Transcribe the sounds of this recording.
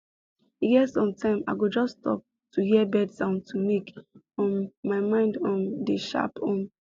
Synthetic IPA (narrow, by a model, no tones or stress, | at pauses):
hiɡɛtsɔ̃ntʰãɪ̃ma̰ɪɡod͡ʒɔsːtɔ̰p̚ | tʰuhiɛbɛdãʊ̃ntʰumik | ɔ̃nmaɪmãɪ̃ndɔ̃ndəʃa̰pʰɔ̃n